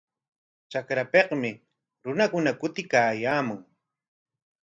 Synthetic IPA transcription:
t͡ʃakɾapeqmɪ | ɾʊnakʊnakʊt̪ɪkaːjaːmʊŋ

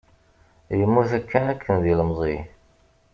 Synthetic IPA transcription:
jəmːuθækːænækːənðiləmzˤi

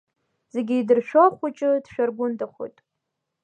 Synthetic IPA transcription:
z̥e̞ɡʲɪidɨrʃᶣoχʷut͡ʃʼɨdʃᶣarɡʷʊndʰʼaχʷo̰jtʼ

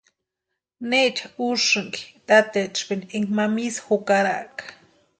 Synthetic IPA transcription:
net͡ʃʰauʂɨŋki̥t̪at̪et͡ʃpinʔiŋmamisḁxokaɾa̰ʔkḁ

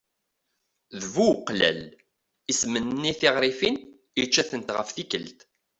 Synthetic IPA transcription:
ðvuqːlæ̰l | ismənnːiθiʁɾˤifin | it͡ʃːæθənt̪ʁəfθikəlt̪

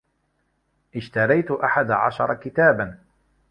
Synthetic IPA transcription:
ʔɪʃt̪ɑɾˤɑjt̪ʊʔaħad̪aʕa̰ʃɑɾˤɑkɪt̪aːban

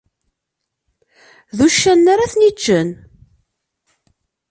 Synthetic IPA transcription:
ðuʃːænːaɾaθnit͡ʃːən

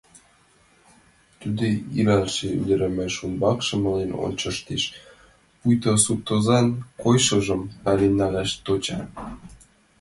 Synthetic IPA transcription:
t̪ud̪eilɑlʃey̰d̪əɾæmæʃumbɑkʃɤ̆mɤ̆leno̰nʲt͡ɕɤ̆ʃt̪eʃ | pujt̪osut̪ozɑnkojʃɤ̆ʒɤ̆mpælenɑlæʃt̪ot͡ɕɑ

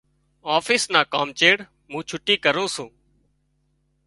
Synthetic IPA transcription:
aːfiːsnaːkaːmt͡ʃeːɽ | mũːt͡ʃʰʊʈiːkəɾũːsũː

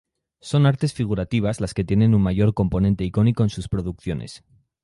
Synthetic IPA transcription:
so̞naɾt̪e̞sfiɣ̞uɾat̪iβ̞azlaske̞t̪je̞nẽ̞nummaʝo̞ɾko̞mpo̞nent̪e̞iko̞niko̞ensuspɾo̞ðukθjo̞ne̞̰s

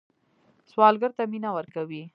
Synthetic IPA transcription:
swɑlɡəɾt̪aminawəɾkawi

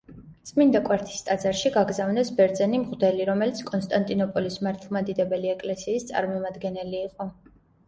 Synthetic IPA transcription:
t̪sʼmind̪akʼwɛɾt̪ʰi̥st̪ʼad̪zaɾʃiɡaɡzavnɛsbɛɾd̪zɛnimʁd̪ɛliɾɔmɛlit̪sʰkʼɔnst̪ʼant̪ʼinɔpʼɔlismaɾt̪ʰlˠmad̪id̪ɛbɛliɛkʼlɛsiːst̪sʼa̰ɾmɔmad̪ɡɛnɛliːqʼɔ

